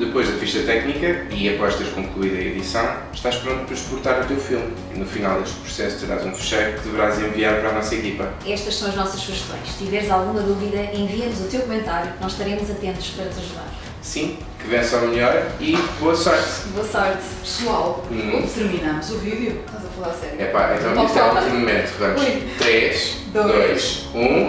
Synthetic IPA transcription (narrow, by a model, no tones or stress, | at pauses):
d̪ɨpojʒðɐfiʃt̪ɐt̪ɛknikɐiɐpɔʃt̪eɾʃkõklˠuiðɐiðisɐ̃w̃ | ʃt̪aʃpɾõnt̪upɾɐʃpuɾt̪aɾut̪ewfilˠm | ḭnufina̰lˠd̪eʃt̪̚pɾu̥sɛsu̥t̪ɨɾa̰zũfɨ̥ʃɐjkɨðɨvɨɾazẽviaɾpɐɾanɔsɐekipɐ | ɛʃt̪ɐʃsɐ̃w̃ɐʒnɔsɐʃfuʃt̪õ̰j̃ʃt̪ivɛɾzalˠɣumɐðuviðɐʔẽviɐnuzut̪ewkumẽnt̪aɾjunɔzʃt̪ɐɾemuzɐt̪ẽnt̪u̥ʃpɐɾɐt̪zɐʒuða̰ɾ | sĩ | kɨvẽsamʎɔɾiboɐsɔɾt̪boɐsɔɾt̪ | pɨ̥swalˠot̪ɨɾminɐmuzuviðjuʃt̪azɐfɐlˠaɾɐsɛɾjɛpa̰ʔḛ̃t̪ɐ̃it̪ɛt̪ɾmumẽnt̪uvɐmjt̪ɾeʃd̪od̪ojʃũ